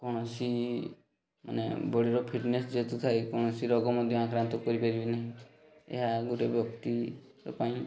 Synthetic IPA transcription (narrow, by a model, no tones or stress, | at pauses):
kɔɽ̃ɔsi | ma̰nḛbɔɽiɾɔpʰiʈnesd͡ʒet̪ut̪ʰaekɔɽ̃ɔsiɾɔɡɔmɔd̪ʱjɔãkɾant̪ɔkɔɾipaɾibinaɦĩ | ḛɦaɡuʈebjɔkt̪i | ɾɔ̰paĩ